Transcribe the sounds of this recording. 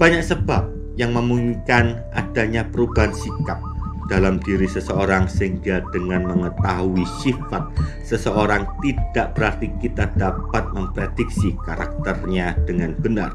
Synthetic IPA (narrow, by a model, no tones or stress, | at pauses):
b̥aɲaksəb̥ap̚ | jaŋməmuŋikan | ʔa̰d̥aɲapəɾubaɦansikap̚d̥alamdiɾisəsəoɾaŋsiŋɡad̥əŋanməŋət̪aɦuisifat̪̚ | səsəoɾaŋt̪id̥aʔb̥əɾart̪ikit̪adapat̪̚məmpɾed̥ɪk̚sikaɾa̰k̚t̪ərɲad̥əŋanb̥əna̰r